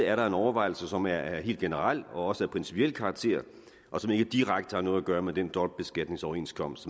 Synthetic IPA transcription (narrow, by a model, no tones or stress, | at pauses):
æɐɾɑ̈e̝nɒʊɐʋɑ̈ɪ̰l̩səsɒ̽mæɐæɐɦe̝̰ld̥ɡ̥e̝nəʁal̰ɒ̽ɒ̽səæɐpʰʁinsi̥pʰiel̰kʰɑ̈ɡ̥t͡sʰe̝̰ɐ̰ | ʔɒ̽sɒ̽me̝ɡ̥əd̥iʁaɡ̥d̥əhɑ̈no̽ːð̞̩ˠæɡ̥ɶːɐmed̥end̥ɒ̽lb̥̚b̥e̝sɡ̥æd̥ne̝ŋsɒʊɐe̝̰nskʰɒ̽m̰s